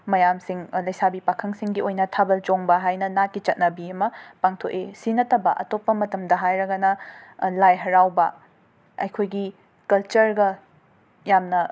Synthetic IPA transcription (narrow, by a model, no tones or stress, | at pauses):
mɐjamsiŋlɐjsabipakʰɐŋsiŋɡiojnɐtʰabɐld͡ʒoŋbɐɦajnɐnatkit͡ʃɐt̚nɐbiɐmɐpaŋtʰoʔesinɐtɐbɐʔɐ̰topːɐmɐtɐmdɐɦajɾɐɡɐnɐlajɦɐɾawbɐ | ɐ̰jkʰojɡi | kɐlt͡ʃɐɾɡɐ | jamnɐ